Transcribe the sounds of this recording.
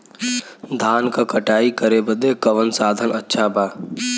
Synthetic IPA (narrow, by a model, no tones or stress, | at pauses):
d̪ʱaːnkakəʈaːikəɾebəd̪ekəʋənsaːd̪ʱənətːʃʰabaː